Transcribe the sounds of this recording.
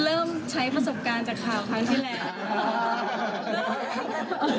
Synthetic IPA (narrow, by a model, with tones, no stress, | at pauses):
ɾɤː˥˩mt͡ɕʰa˦˥jpɾa˧so˨˩p̚kaː˧nt͡ɕaː˨˩kʰːaː˨˩wkʰa˦˥ŋt̪ʰiː˥˩lɛː˧˩˥